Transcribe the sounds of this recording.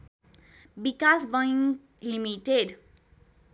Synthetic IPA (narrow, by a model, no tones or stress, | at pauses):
bikasbʌjiŋ | limiʈeɖ